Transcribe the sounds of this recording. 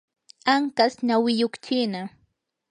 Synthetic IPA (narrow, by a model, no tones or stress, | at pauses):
aŋkasɲawɪjokt͡ʃɪna